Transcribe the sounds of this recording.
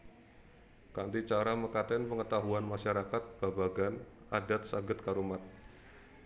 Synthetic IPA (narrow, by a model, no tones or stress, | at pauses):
kant̪it͡ʃaɾaməkat̪ɛnpəŋət̪aɦuanmaʃaɾakat̪̚b̥abaɡan | adat̪̚saɡət̪̚kaɾumat̪̚